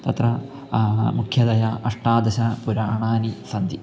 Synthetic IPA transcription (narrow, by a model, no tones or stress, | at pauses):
t̪ɐt̪rɐ | mukʰjɐd̪ɐjɐʔɐʂʈaːd̪ɐɕɐpuɾaːɳaːnisɐnd̪i